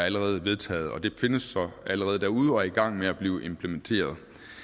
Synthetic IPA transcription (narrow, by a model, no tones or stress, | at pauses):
æləʁɛːð̞̩ˠʋe̝ð̞ˠt͡sʰɛ̰ːð̞̩ˠɒ̽d̥e̝fe̝nəsːɒ̽æləʁɛːð̞̩ˠd̥æɐuð̞̩ˠɒ̽iɡ̥ɑ̈ŋ̰meæb̥liːʊʔe̝mpʰlement͡sʰe̝̰ːɐð̞ˠ